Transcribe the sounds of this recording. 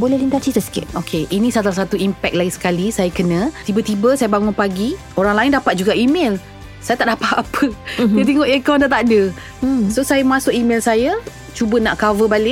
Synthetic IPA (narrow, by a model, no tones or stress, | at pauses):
bolɛhlint̪asit̪əsə̥kɪ̰t̪̚okʰeʔinĩsalas̬at̪uimpɛk̚laɡisə̥kalisajakənə̃t̪ibət̪ibəsajəbaŋʊnpaɡi | oɾaŋlaɪndapat̪̚d͡ʒuɡaʔimel | sajat̪aʔdapat̪apʰədiat̪̬ɛŋɔʔekandat̪adə | sosajamasʊkimɛlsaja | t͡ʃubənaʔkavəbalɪʔ̚